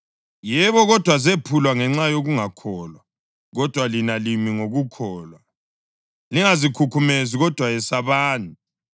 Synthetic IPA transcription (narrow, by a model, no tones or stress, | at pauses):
jɛβɔɣɔd̥ʱwazepʰulwaŋɛŋ͡ǁajoɣuŋakʰɔːlwa | ɣɔd̥ʱwalinalimiŋoɣukʰɔːlwa | liŋazikʰukʰumeziɣɔd̥ʱwajɛsaβaːnu